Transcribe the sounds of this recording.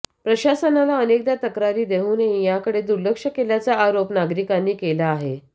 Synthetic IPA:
pɾəɕasənalaənekd̪jat̪əkɾaɾiːd̪eɦuːneijakəɽed̪uɾləkʂəkeljat͡saaɾopnaɡɾikanːiːkelaːɦe

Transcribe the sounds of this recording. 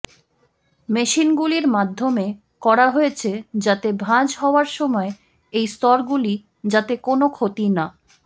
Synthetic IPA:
meʃinɡuliɾmad̪ʱːome | kɔɾaɦojet͡ɕʰed͡ʑat̪ebʱãd͡ʑɦɔoaɾʃɔmɔe | ejst̪ɔɾɡuli | d͡ʑat̪ekonokʰot̪ina

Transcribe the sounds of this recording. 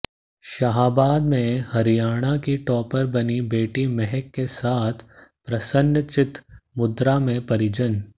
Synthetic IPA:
ʃɐɦaːbaːd̪mẽhɐɾijaːɽ̃akiʈɔːpəɾbɐnibeːʈimɛɦɛkːesaːt̪ʰpɾɐsə̃nt͡ʃɪt̪mʊd̪ɾamẽpɐɾɪd͡ʒən

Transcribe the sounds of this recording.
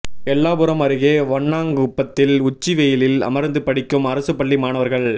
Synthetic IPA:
ɛlːaːpɯɾɐmɐɾɯɣeːʋɐɳːaːŋɡɯʊpːɐt̪ːɪlʊt͡ʃːiʋejɪlɪlɐ̰mɐɾnd̪ɯpɐɽɪkːɯmɐɾɐsɯpɐɭːimaːnɐʋɐɾɣɐɭ

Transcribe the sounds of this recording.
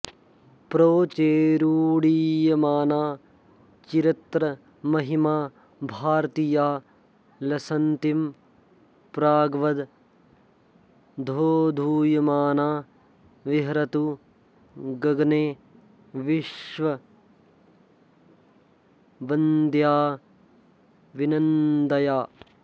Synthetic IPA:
pɾoːt͡ʃeːɾuːɽijɐmaːnaː | t͡ʃiɾit̪ɾɐ | mɐɦimaː | bʱaːɾt̪ijaː | lɐsɐnt̪im | pɾaːɡʋɐd̪ | d̪ʱoːd̪ʱuːjɐmaːnaː | ʋiɦɾɐt̪u | ɡɐɡneː | ʋiʃʋɐ | bɐnd̪jaː | ʋinɐnd̪ɐjaː

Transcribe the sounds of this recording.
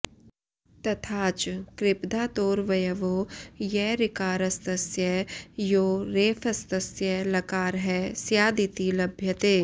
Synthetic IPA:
t̪ɐt̪ʰaːt͡ʃkɾɪpd̪ʱaːt̪oːɾʋɐjəʋoːjɛɾɪkaːɾɐst̪əsjəjoːɾeːfʰɐst̪əsjəlɐkaːɾɦɛsjaːd̪it̪ilɐbʱjət̪eː

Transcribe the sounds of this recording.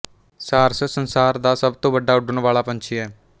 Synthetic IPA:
saːɾsəsənsaːɾd̪aːsəbt̪õːbəɖːaːʊɖəɳʋaːɭaːpəɲt͡ʃʰiɛː

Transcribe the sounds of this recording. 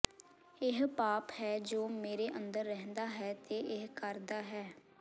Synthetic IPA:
ɪɦpaːphɛːd͡ʒoːmeːɾeːʔənd̪əɾːɛɦnd̪aːɦɛːt̪eːʔɪɦkəɾd̪aːɦɛː

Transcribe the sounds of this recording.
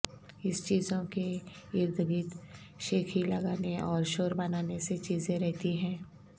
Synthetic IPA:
ɪst͡ʃiːzõke | ɪɾd̪ʱɡiːt̪ | ʃeːkʰilɐɡaːneɔːɾʃoːɾbɐnaːneset͡ʃiːzẽɾɛɦt̪iɦɛ̃ː

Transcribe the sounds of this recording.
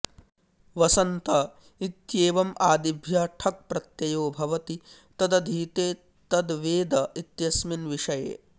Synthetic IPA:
ʋɐsɐnt̪ɐ | it̪jeːʋɐmʔaːd̪ibʱjɐʈʰɐk̚pɾɐt̪jɐjoːbʱɐʋɐt̪i | t̪ɐd̪ɐd̪ʱiːt̪eː | t̪ɐd̪ʋeːd̪ɐit̪jɐsminʋiʂɐjḛː

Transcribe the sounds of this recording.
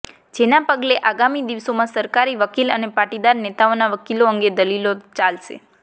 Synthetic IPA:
d͡ʒenapəɡleʔaɡamid̪iʋsomãsəɾkaɾiʋəkilə̰nepaʈid̪aɾnet̪aonaʋəkiloəŋɡed̪əlilot͡ʃalʃḛ

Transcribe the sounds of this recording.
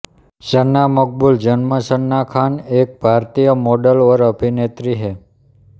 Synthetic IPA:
sənːamək̚buld͡ʒənməsənːakʰanek̚bʱaɾt̪ijəmoɖəlʋəɾəbʱinet̪ɾiɦe

